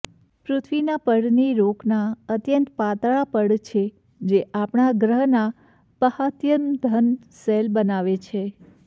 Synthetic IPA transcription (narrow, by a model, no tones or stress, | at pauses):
pɾut̪ʰʋinapəɽniɾoknaət̪jənt̪pat̪ɭapəɽt͡ʃʰe | d͡ʒeʔapɳaɡɾəɦna | pəhat̪jəmd̪ʱən | selbənaʋet͡ʃʰe